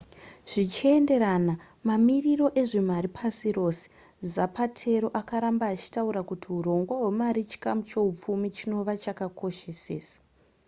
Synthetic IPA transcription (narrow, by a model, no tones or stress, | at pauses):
ʐ̥it͡ʃie̞nde̞ɾana | mamiriro̞ʔe̞ʐe̞maɾipʰasiro̞ːse̥ | zapatʰe̞ɾo̞ʔakaɾambaːt͡ʃi̥tauɾakutʰiuɾo̞ŋɡwawe̞maɾit͡ʃi̥kamut͡ʃe̞up͡fumit͡ʃino̞ʋat͡ʃakako̞ʃe̞se̞̰ːsḁ